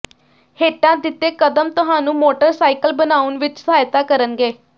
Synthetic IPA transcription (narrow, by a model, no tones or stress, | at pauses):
heːʈãːd̪ɪt̪ːeːkəd̪əmt̪ʊɦãːnũːmoːʈəɾsaːikəlbənaːʊnʋɪt͡ʃsəɦaːjt̪aːkəɾənɡeː